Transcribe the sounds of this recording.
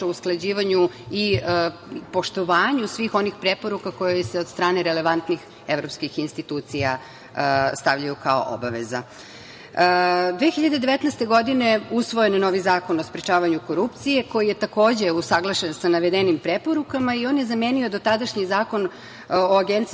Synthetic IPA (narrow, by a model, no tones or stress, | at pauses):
ousklˠad͡ʑiːʋaɲui | po̞ʃt̪oʋaːɲusʋiːxo̞nixpɾepo̞ɾukako̞joseod̪st̪ɾaːneɾele̞ʋant̪nix | evɾo̞pskixinst̪it̪uːt̪sija | st̪aʋʎajukao̰ʔo̰baʋeza̰ | d̪ʋeːxiʎad̪ed̪e̞ʋet̪nɛjst̪e̞ɡo̞d̪ine̞usʋo̞je̞nno̞ʋizaːko̞no̞spɾet͡ʃaːʋaɲuko̞ɾupt̪sije̞ko̞jije̞t̪ako̞ːd͡ʑe̞usaɡlˠaʃensanaʋed̪enimpɾepo̞ɾukamaio̞ːnjezamenio̞d̪ot̪ad̪aʃɲizaːko̞n | oaɡent̪s